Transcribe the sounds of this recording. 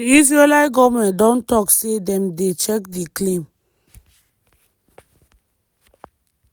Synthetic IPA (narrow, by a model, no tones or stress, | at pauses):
iis̬ɹelajɡɔmɛ̃ndɔ̃ntɔksedɛ̃mdet͡ʃɛk̚diklẽm